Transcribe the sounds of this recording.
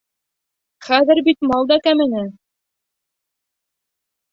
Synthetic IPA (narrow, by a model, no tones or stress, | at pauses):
χæðɘɾbit̪mɑlˠd̪ɑkæmɘ̆nɘ